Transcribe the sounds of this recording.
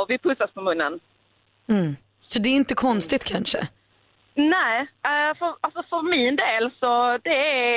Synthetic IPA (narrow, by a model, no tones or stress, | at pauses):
ɔvɪpʰɵsaspʰɔmɵnːə̰n | m̩ | sɔd̪ɛːɾɪnt̪əkʰɔnst̪ɪt̪kʰanʂə̰ | nɛːfœɾalsɔfœɾmɪnd̪eːlsɔd̪ɛæ